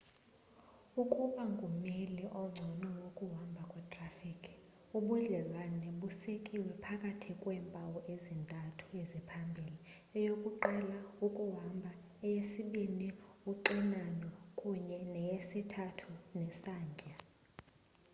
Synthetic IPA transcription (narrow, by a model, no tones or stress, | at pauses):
ukʼuɓaŋɡʱumeliʔɔŋ͡ǀʱɔnɔwokʼuɦwambʱakʼɛtʼrafikʰ | uɓuɮɛlwanɛɓusikʼiwɛpʰakʼatʰikʼwɛːmpʼawɔʔezintʼatʰu̥ezipʰambʱili | ɛjokʼuǃɛlaukʼuɦambʱa | ɛjesiɓiniuǃinanɔkʼuɲɛnɛjesitʰatʰunɛsaːɲɡʱʼa